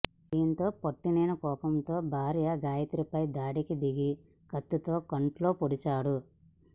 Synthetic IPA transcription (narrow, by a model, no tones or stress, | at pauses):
d̪iːnt̪o̞ːpoʈːineːnɐkɔːpɐmt̪o̞ːbʱaːɾijɐɡaːjɐt̪iɾipɐjd̪aːɽikid̪iɡi | kɐt̪ːut̪o̞ːkɐɳʈlo̞ːpoɽit͡ʃaːɽu